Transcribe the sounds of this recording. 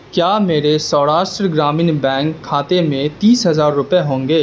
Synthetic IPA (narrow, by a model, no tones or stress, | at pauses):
kjaːmeːɾesɔːɾaːʃʈɾəɡɾaːmɪnbɛ̃ːŋkʰːaːt̪emẽt̪iːsɦɐzaːɾːʊpeɦõːŋɡeː